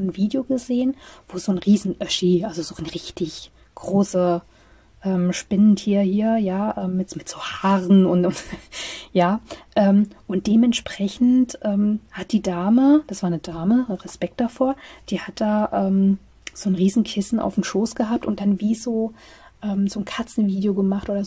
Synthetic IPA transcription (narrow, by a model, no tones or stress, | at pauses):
nnviːdejoɡəzeːənvoːzoːnʁiːzn̩ʔœʃiʔalzozoːnʁɪçtʰɪç | ɡ̥ʁoːsə | ʔɛːmʃpɪnəntʰiːɐhiːɐjaːʔɛːmːɪtmɪtz̥oːhaːʁən̩ʊntʊntjaːʔɛːmʔʊnt̚d̥eːmɛntʃpʁ̥ɛçn̩tʔɛːmhat̚d̥iːdaːməd̥asv̥aːɐnədaːməʁɛspɛk̚t̚d̥afoːɐd̥iːhat̚d̥aːʔɛːm | z̥oːnʁiːzn̩kʰɪsn̩ʔa̰ʊfm̩ʃoːsɡ̥əɦaːp̚tʊnt̚d̥anviːzoː | ʔɛːmzoːnkʰat͡sn̩viːdjoɡəmaχtʔoːdɐ